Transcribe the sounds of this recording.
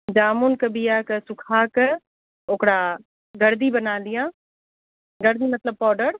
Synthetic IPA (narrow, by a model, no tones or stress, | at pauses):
d͡ʒaːmunkəbijaksʊkʰak | oːkɽa | ɡɐɾd̪ibənaːlijãː | ɡɐɾd̪imɐt̪ləb̚pɔːɖəɾ